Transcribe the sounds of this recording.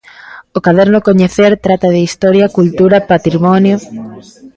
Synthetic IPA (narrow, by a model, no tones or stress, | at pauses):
ʊkaðɛɾnʊkoɲeθeɾt̪ɾat̪ɐðɪist̪ɔɾjɐkult̪uɾɐpat̪ɾimɔnjo